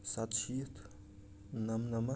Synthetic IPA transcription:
sɐt̪ʃʰit̪ʰ | nɐmnɐmɐ

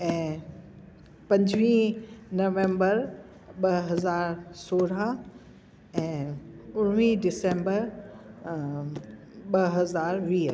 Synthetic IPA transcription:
ɛ̃ː | pɐ̃ɲd͡ʑʋĩnɐʋẽːmbəɾ | ɓɐɦɐzaːɾsoːɽa | ɛ̃ːʊɽʋĩɖɪsẽːmbəɾ | ɓɐɦɐzaːɾʋiː

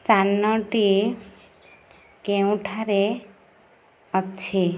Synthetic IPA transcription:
t̪anːɔʈi | keũʈʰaɾe | ɔt͡ʃʰi

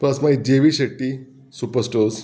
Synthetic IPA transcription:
plɐsmaid͡ʑeʋiɕeʈːi | supəɾsʈoz

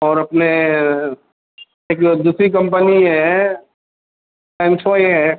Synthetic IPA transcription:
ɔːɾɐpne | eːkd̪uːsɾikɐ̃mpəniɦɛ | sɛ̃ːnsʰɔːjɦɛː

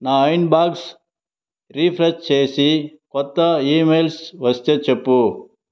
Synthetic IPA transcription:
naːɐjnbaːɡs | ɾiːpʰɾɐt͡ʃt͡ʃeːjsikɔt̪ːɐiːmeːlsʋɐst̪et͡ʃepːu

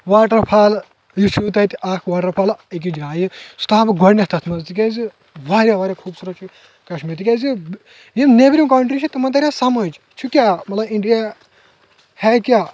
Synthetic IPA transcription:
ʋaːʈɐɾpʰaːl | jut͡ʃʰut̪̬ɐt̪iʔaːkʰʋaːʈɐɾpʰaːlik̬id͡ʒaːjisu̥t̪aːbɡɔɽnʲeht̪ʰɐt̪ʰmɐzt̪ik̬ʲezi | ʋaːɾʲjaʋaːɾjakʰuːbsuɾɐt͡ʃʰi | kɐʃmit̪ikʲezi | jimnebɾʲimkɐɳʈɾit͡ʃʰit̪ɐmɐnt̪̬ɐɾʲjasɐmɐd͡ʒ | t͡ʃʰukʲjamɐt̪lɐbiɳɖija | hɛkʲjaː

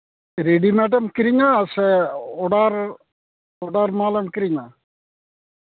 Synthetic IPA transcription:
ɾeɽimeɖɐmkiɾiɲːaseɔɽar | ɔɽarmaːlɐmkiɾiɲːa

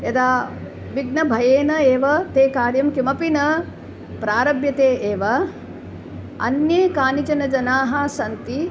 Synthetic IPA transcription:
jɐd̪aː | ʋiɡnɐbʱɐjeːnɐeːʋɐt̪eːkaːɾjɐmkimɐpinɐ | pɾaːɾɐbjɐt̪eːʔeːʋɐ | ɐ̰njeːkaːnit͡ʃɐnɐd͡ʒɐnaːɦɐsɐnt̪i

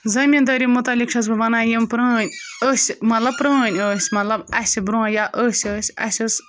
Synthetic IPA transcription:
zɐmʲint̪ɐɾʲimut̪ɐlʲikʂʰɐs̬bɨʋɐnaːjimpɾɐːnʲəsʲmɐt̪lɐbpɾəːnʲəːsʲmɐt̪lɐbɐsʲibɾuɐ̃jaːʔəsʲəːsʲɐ̰sʲɨs

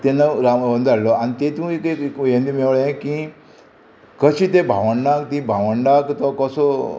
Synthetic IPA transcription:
t̪enəɾaənd̪aɾlɔañit̪et̪ũekekekjẽnd̪imeʋɭẽkĩ | kəɕit̪ebʱaʋəɳɖakt̪ĩbʱaʋəɳɖãkt̪ɔkɔsɔ

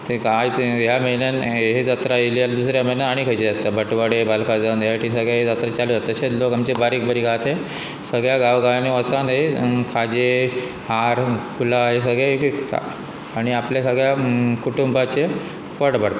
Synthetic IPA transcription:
t̪eajt̪jamelanɦed͡zat̪ɾailjad̪usɾjaməɦnəd̪aɽ̃ikʰəd͡ʑed͡zat̪ːabəʈʋəɽebalkʰad͡zanjaʈisəɡɭjaɦed͡zat̪ɾat͡ɕald͡zat̪əɕet͡slokamt͡ɕebaɾikbəɾiːɡʱat̪e | səɡɭjaɡaʋɡaniət͡sãnd̪ɦekʰad͡ʑe | haɾkʰulaɦes̬əɡɭakikt̪a̰ | aɽ̃iapljasəɡɭjakuʈumbat͡ɕe | pəɽbəɽt̪a

